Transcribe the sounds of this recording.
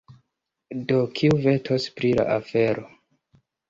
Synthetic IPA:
do̞kʰiuve̞tʰospɾila̰ʔafe̞ɾo

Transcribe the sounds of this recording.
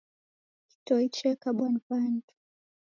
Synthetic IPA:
ki̥tɔit͡ʃɛkaɓwanvantu̥

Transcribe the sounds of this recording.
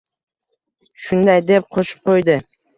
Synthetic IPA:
ʃʊnd̪ajd̪ep̚qʰoʃɪ̥p̚qʰojd̪ɪ

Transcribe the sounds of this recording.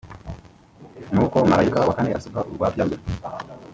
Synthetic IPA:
nuːko̞maɾajikawakaneʔa̰sukaʔuɾɡwaːbjaɡuɾ

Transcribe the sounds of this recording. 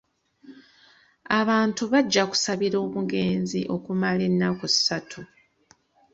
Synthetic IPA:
aβaːntuβaɟːaku̥saβiɾo̞ːβuɡe̞ːnzḭʔo̞kumale̞nːakussatʰu

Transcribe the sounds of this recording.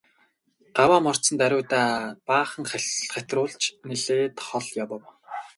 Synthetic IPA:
ɢ̥awaːmɔr̥t͡sə̆nt̪æɾʲʊːt̪aːpaːχə̆ŋχæχæt̪rʊːɮt͡ɕneɮeːt̪χɔɮjawɔ̆w

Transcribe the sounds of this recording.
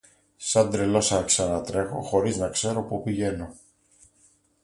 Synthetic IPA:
sɐnd̪ɾe̞lo̞sɐksɐnɐt̪ɾe̞xo̞xo̞ɾiznɐkse̞ɾo̞pupiʝe̞no̞

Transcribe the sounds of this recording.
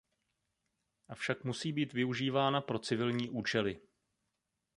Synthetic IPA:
ʔafʃakmusiːbiːt̪vɪuʒiːvaːnapɾo̞t͡sɪvɪlɲiːʔuːt͡ʃɛlɪ

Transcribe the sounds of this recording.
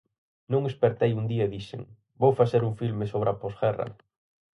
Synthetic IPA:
nõŋespeɾt̪ejund̪iɐeðiʃḛŋ | bowfaseɾuŋfilmesoβɾaposɣɛrɐ̰

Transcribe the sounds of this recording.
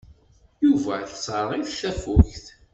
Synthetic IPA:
juvæθsˤəɾˤijθθæfʊçθ

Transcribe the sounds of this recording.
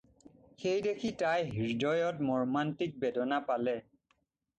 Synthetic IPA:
xejdekʰitajɦiɹdɔjɔtmɔɹmantik̚bɛdɔnapalɛ

